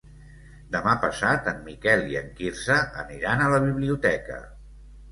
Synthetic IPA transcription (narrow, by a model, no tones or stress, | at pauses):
d̪əmapəsat̪əmːikɛliəŋkiɾsəʔə̰niɾanələβ̞iβliut̪ɛkə̰